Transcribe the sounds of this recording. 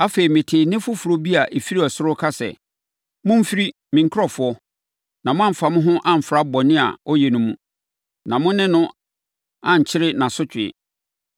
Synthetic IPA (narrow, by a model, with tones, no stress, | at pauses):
a˦fe˨ɾi˨mɪ̃˨tʰɪː˨nɪ̃˦fʊ˦fu˨ɾo˦bi˦a˨ʔe˨fi˦ɾi˦ɔ˨sʊ˦ɾʊ˦kʰa˦sɛ̰˨ | mʊ̃˦m̩˦fi˦ɾi˦ | mɪ̃˨ŋ̩˦kʰɾɔ˨fʊ˨˦ɔ˦ | nã˨mʊ̃˦ã˦m̩˨fa˨mʊ̃˦ɦʊ̃˦ʔã˦m̩˨fɾa˦bɔ˨nɪ̃˦a̰˨ɔ˦jɛ˨nʊ̃˦mũ˦ | nã˨mʊ̃˦nɪ̃˦nʊ̃˦ | ã˦˨ɲ̩˨t͡ɕʰɪ˦ɾɪ˦nã˨sʊ˦t͡ɕʰᶣɪ˨ɪ̰˨